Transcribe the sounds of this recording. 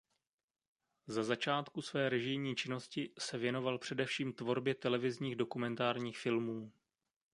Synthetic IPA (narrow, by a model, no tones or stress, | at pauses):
zazat͡ʃaːt̪kusvɛːɾɛʒɪjɲiːt͡ʃɪno̞scɪsɛvjɛno̞valpr̝̥ɛdɛfʃiːmt̪vo̞ɾbjɛt̪ɛlɛvɪzɲiːɣdo̞kumɛnt̪aːɾɲiːxfɪlmuː